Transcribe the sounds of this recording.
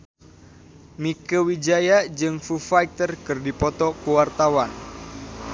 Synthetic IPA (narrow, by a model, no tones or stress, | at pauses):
mikəwid͡ʒajad͡ʒɨŋfufajt̪ərkɨrdipɔt̪ɔkuwart̪awan